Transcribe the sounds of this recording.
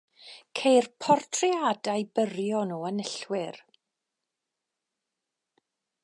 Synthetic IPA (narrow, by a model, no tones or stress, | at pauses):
kʰejrpʰɔrtʰriadajbərjɔnuːənəɬwɪr